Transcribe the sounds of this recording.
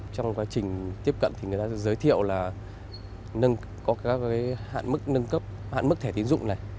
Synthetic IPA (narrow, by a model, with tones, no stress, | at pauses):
t͡ɕɔ˧wŋ͡mkwaː˨˦t͡ɕï˨˩ŋ̟t̪i˦˥p̚kə̰˧˨nt̪ʰi˨˩ŋɨ˨˩jt̪aː˧ɛ˧˥zəː˨˦jt̪ʰḭ˧˨əwlaː˨˩ | nə˧n | kɔ˨˦kːaː˨˦jha̰ː˧˨nmɨ˦˥k̚nə˧nkə˦˥p̚ha̰ː˧˨nm˦˥k̚t̪ʰɛ˧˩i˨˦nzʊ̰˧˨ŋ͡mna˨˩j